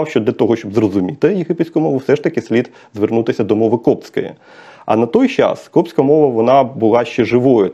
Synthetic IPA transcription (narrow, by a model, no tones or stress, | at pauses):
wʃt͡ʃɔd̪lʲɐt̪ɔɦɔʃʲt͡ʃɔbzrɔzʊmʲit̪ɪjeɦɪpɪt̪ʲsʲkʊmɔʋʊwsɛʂt̪ɐkɪsʲlʲid̪ | zʋernut̪ɪsʲɐd̪ɔmɔʋɪkɔpt͡sʲkɔjɛ̰ | ɐ̰nɐt̪ɔjt͡ʃɑ̰skɔpsʲkɐmɔʋɐʋɔnɑbʊlˠɑʃt͡ʃɛʒɪʋɔjʊ